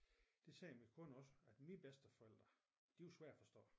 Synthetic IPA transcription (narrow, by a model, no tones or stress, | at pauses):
d̥e̝sɛːmikʰɔ̽nɒ̽səæd̥mib̥esd̥əfɒel̰d̥ʁɐ | d̥ejusʋæɐ̥æfɒ̽sd̥ɔ̰̽ː